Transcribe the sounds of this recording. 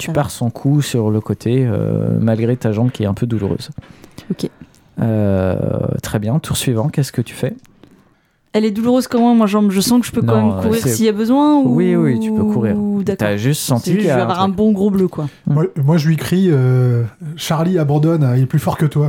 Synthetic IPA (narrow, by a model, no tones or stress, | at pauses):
t̪ʰy̥paʁsɔ̃kʰusyʁləkot̪ʰeø̰malɡʁet̪aʒɑ̃bkʲiɛɛ̃pʰød̪ulṵʁø̰zokʲe | ø̰ | t̪χɛbjɛ̃t̪ʰuʁsɥivɑ̃kʲɛskət̪y̥fɛ | ɛlɛd̪uluʁøzkɔmwɛ̃mwaʒɑ̃mʒəsɑ̃kəʒəpønɑ̃mɛmkuʁiʁsiabəzwɛ̃uwiwit̪ʰypøkʰuʁiːʁt̪yaʒyst̪sɑ̃t̪ikaavwaʁɛ̃bɔ̃ɡʁobløkwamamwaʒɥikχiø | ʃaʁliabɑ̃d̪ɔnilɛplyfɔʁkət̪wa